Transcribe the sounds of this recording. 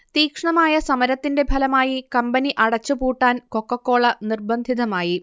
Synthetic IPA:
t̪iːkʂɳɐmaːjɐsɐmɐɾɐt̪ːinde̞bʱɐlɐmaːjikɐmbɐniʔɐɽɐt͡ɕːupuːʈːaːnko̞kːɐkːo̞ːɭɐnirbɐnd̪ʱiðɐmaːji

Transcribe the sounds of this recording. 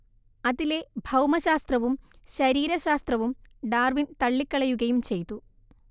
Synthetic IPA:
ɐðile̞bʱɐwmɐɕaːst̪rɐʋumɕɐɾiːɾɐɕaːst̪rɐʋumɖaːrʋint̪ɐɭːikːɐɭɐjuɣɐjumt͡ɕe̞jt̪ːu

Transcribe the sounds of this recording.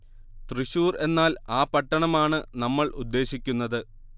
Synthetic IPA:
t̪riɕuːre̞nːaːlaːpɐʈːɐɳɐmaːɳɨnɐmːɐɭʔud̪ːe̞ːɕikʲːunːɐðɨ

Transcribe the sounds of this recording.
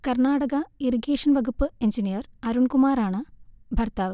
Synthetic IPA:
kɐrɳaːɽɐɣɐiriɡeːʂɐnʋɐɡupːɨend͡ʑinijɐrɐɾuɳkumaːɾaːɳɨbʱɐrt̪aːʋɨ

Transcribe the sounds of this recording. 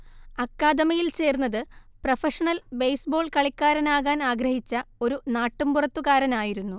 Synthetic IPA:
ɐkːaːd̪ɐmɐjilt͡ɕe̞ːrnːɐðɨ | prɐfɐʂɐɳɐlbejsbo̞ːɭkɐɭikːaːɾɐnaːɣaːnaːɡɾɐhit͡ɕːɐo̞ɾunaːʈːumpurɐt̪ːuɣaːɾɐnaːjiɾunːu

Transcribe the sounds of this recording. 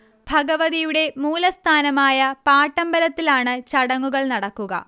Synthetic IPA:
b̥ʱɐɡɐʋɐðijuɽe̞muːlɐst̪ʰaːnɐmaːjɐpaːʈːɐmbɐlɐt̪ːilaːɳɨt͡ɕɐɽɐŋːuɣɐɭnɐɽɐkːuɣɐ̰

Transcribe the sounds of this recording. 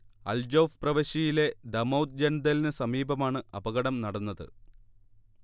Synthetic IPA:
ɐ̰ld͡ʑoːfprɐʋɐɕɐjile̞d̪ɐmɐwd̪̚d͡ʑɐnd̪ɐlinɨsɐmiːbɐmaːɳɨɐbɐɣɐɽɐmnɐɽɐnːɐðɨ̰

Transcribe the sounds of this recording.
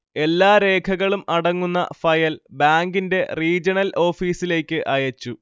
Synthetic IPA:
e̞lːaːɾe̞ːkʰɐɣɐɭumɐɽɐŋːunːɐ̰fɐjɐlbaːŋɡinde̞riːd͡ʑɐnɐlʔo̞ːfiːsile̞ːkʲːɨʔɐjɐt͡ɕːu

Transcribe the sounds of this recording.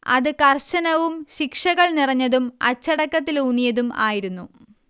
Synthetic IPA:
ɐ̰ðɨkɐrɕɐnɐʋumɕikʂɐɣɐɭnirɐɲːɐðumɐ̰t͡ɕːɐɽɐkːɐt̪̬ːilunijɐðuma̰ːjiɾunːu

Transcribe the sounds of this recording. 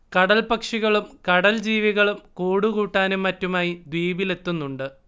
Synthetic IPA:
kɐɽɐlpɐkʂiɣɐɭumkɐɽɐld͡ʑiːʋiɣɐɭumkoːɽuɣuːʈːaːnumːɐtːumaːjid̪wiːbile̞t̪ːunːuɳɖɨ

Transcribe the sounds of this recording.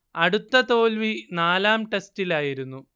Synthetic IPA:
ɐɽut̪ːɐt̪o̞ːlʋinaːlaːmʈestilaːjiɾunːu

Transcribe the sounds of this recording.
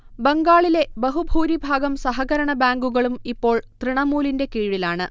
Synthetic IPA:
beŋɡaːɭile̞bɐɦubʱuːɾibʱaːɡɐmsɐɦɐɣɐɾɐɳɐbaːŋɡuɣɐɭumipːo̞ːɭt̪riɳɐmuːlinde̞kiːɻilaːɳɨ

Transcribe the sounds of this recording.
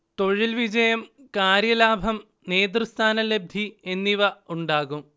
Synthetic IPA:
t̪o̞ɻilʋid͡ʑɐjɐmkaːɾjɐlaːbʱɐm | neːd̪rɨst̪ʰaːnɐleb̚d̪ʱie̞nːiʋɐuɳɖaːɣum

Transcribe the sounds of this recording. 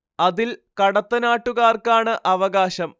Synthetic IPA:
ɐðilkɐɽɐt̪ːɐnaːʈːuɣaːrkaːɳɨʔɐʋɐɣaːɕɐm

